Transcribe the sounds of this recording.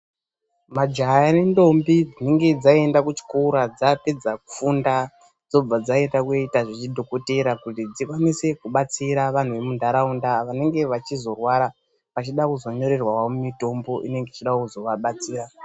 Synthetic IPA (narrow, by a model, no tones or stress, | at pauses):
mad͡ʒajane̞ndo̞mbid͡zine̞ŋɡe̞d͡zae̞ndakut͡ʃi̥kuuɾad͡zape̞d͡zakufunda | d͡zo̞b͡vad͡zae̞ndakeitaʐit͡ʃidʱoko̞teɾakutid͡zikwanise̞kuɓat͡siɾaʋan̤uʋe̞mundʱaɾaundaʋane̞ŋɡe̞ʋat͡ʃizo̞rwaɾa | pat͡ʃiɗakuzo̞ɲo̞ɾe̞rwawaumito̞mbo̞ʔḭne̞ŋɡeit͡ʃiɗakuzo̞ʋaɓat͡siːɾa